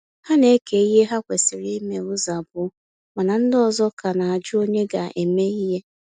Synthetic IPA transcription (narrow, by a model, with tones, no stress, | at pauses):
ha˦ne˦ke˨i˦ɦe˦ɦa˦kʷe˨sɪ˨ɾi˦me˨ʊ˦za˨bʊ˦ | ma˨na˨n̩˦dɔ˦˨zɔ˦ka˨na˨a˨d͡ʒʊ˦o˦ɲe˦ɡa˨ʔe˨me˦i˦ɦe˦